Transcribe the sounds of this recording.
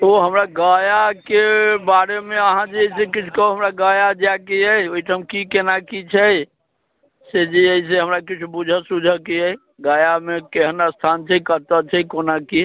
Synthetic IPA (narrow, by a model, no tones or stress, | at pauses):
oɦəmɾaɡajakebaɾemeəɦãd͡ʒeeisẽkit͡ʃʰu̥kəɦuɦəmɾaɡajad͡ʒakeəjoiʈʰəmkikenakit͡ʃʰəj | sed͡ʒiəis̬eɦəmɾakit͡ʃʰubud͡ʒʱəsud͡ʒʱəkeəj | ɡajamekeɦənast̪ʰant͡ʃʰəkət̪ət͡ʃʰɛkonaki